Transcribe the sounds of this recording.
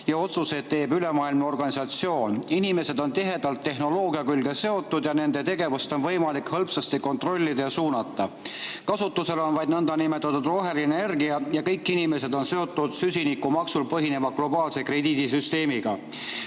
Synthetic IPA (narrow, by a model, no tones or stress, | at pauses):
jɑot̪suse̞t̪t̪ːe̞ːbyle̞mɑːilmɑo̞rɡ̥ɑnisɑt̪sio̞ːninime̞se̞d̪̥o̞nt̪iɦe̞d̪̥ɑlt̪ːe̞ɦno̞lo̞ːɡiɑkylɡese̞o̞t̪ːˑud̪jɑne̞nd̪e̞t̪e̞ɡe̞vust̪o̞nvɤ̞jmɑlikhɤlpsɑst̪iko̞nt̪ro̞lʲːid̪ɑjɑsuːnɑt̪ːˑɑ | kɑsut̪ːˑuse̞lonvɑjd̪̥nɤnd̪ɑnimet̪ːˑɑt̪ːˑud̪ro̞ːɦe̞lineerɡiɑjɑkɤ̞jkːˑinime̞se̞d̪o̞nse̞o̞t̪ːˑud̪̥sysʲinikːˑumɑksulpɤɦine̞mɑɡ̥lo̞bɑːlse̞kre̞d̪iːd̪̥is̬yst̪e̞ːmiɡ̥ɑ̰